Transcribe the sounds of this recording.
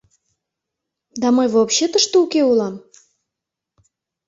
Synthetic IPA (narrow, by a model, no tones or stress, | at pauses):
d̪ɑməjvopɕet̪əʃt̪oukeulɑm